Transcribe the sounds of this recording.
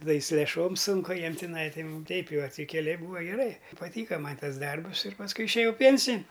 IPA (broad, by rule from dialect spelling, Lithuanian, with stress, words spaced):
tɐˈdɐ ɪ sʊ lʲeːˈʃoːm ˈsʊŋkʊ jɛm tʲɪˈnɐɪ tɐɪ tʲɛɪp jɛʊ ɐ tʲɪ kʲɛˈlʲɛɪ ˈbuːɐ ɡʲɛˈrɐɪ pɐˈtʲiːkɐ ˈmɐnʲ ˈtɐs ˈdɐrbʊs ɪr pɐsˈkʊɪ ɪʃʲeːˈjɛʊ ˈpʲiɛnʲsʲɪnʲ